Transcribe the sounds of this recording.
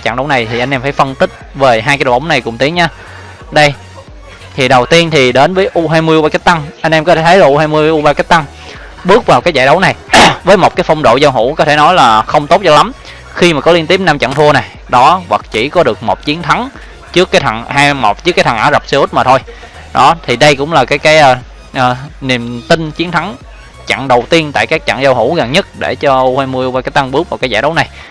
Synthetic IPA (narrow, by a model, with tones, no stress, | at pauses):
t͡ɕa̰˧˨ŋɗə˨˦wna˨˩jt̪ʰi˨˩ʔa˧ŋ̟ʔɛ˧mfaː˧˩jfə˧nt̪ï˦˥k̟̚ve˨˩ɦaː˧jka˨˦jɗo̰˨˩˨ʔə˨˦wŋ͡mna˨˩jkʊ˨˩ŋ͡mt̪i˨˦əŋɲaː˧ | ɗə˧j | t̪ʰi˨˩ɗə˨˩wt̪i˧ənt̪ʰi˨˩ɗe˨˦nvəː˨˦jʔu˧ɦaː˧jmɨ˧əju˧ɓaː˧ka˦˥k̚t̪a˧ŋʔa˧jŋ̟ʔɛ˧mkɔ˨˦t̪ʰe˧˩ə˨˦jlaː˨˩ʔu˧haː˧jmɨ˧əjʔu˧ɓaː˧ka˦˥k̚t̪a˧ŋ | ɓɨ˦˥ək̚vaː˨˩wkaː˨˦jzaː˧˨ɗə˨˦wna˨˩jvəː˨˦jmo˨˩t̚kaː˨˦jfə˧wŋ͡mɗo̰˧˨zaː˧wɦṵ˧˩˥kɔ˨˦t̪ʰe˧˩nɔ˨˦jlaː˨˩xə˧wŋ͡mt̪o˦˥t̚zɔ˧la˨˦m | xi˧maː˨˩kɔ˨˦li˧ənt̪i˦˥əp̚na˧mt͡ɕa̰ː˧˨ŋt̪ʰu˧əna˨˩j | ɗɔ˨˦vwa˨˩k̚t͡ɕi˧˩kɔ˨˦ɗɨ˨˩ək̚mo˨˩k͡p̚t͡ɕi˨˦ənt̪ʰa˨˦ŋ | t͡ɕɨ˦˥əkːaː˨˦jt̪ʰa˨˩ŋhaː˧jmo˨˩p̚t͡ɕɨ˦˥kaː˨˦jt̪ʰa˨˩ŋʔaː˧˩˦za˨˩p̚se˧ʔu˦˥t̚maː˨˩t̪ʰo˧j | ɗɔ˨˦t̪ʰi˨˩ɗə˧jkʊ̰˧˥ŋ͡mlaː˨˩kaː˨˦jkaː˨˦jʔː | ʔəː˨˩ni˨˩mt̪ï˧nt͡ɕi˨˦ənt̪ʰa˨˦ŋ | t͡ɕa̰˧˨ŋɗə˨˩wt̪i˧ənt̪a̰ː˧˨jkaː˦˥k̚t͡ɕa̰˧˨ŋza˧wɦṵ˧˩ɣa˨˩nɲə˦˥t̚ɗe˧˩t͡ɕɔ˧u˧hweː˧mɨ˧əwaː˧kaː˨˦jt̪a˧ŋɓɨ˦˥ək̚vaː˨˩wkaː˨˦jzaː˧˩jɗə˨˦wna˨˩j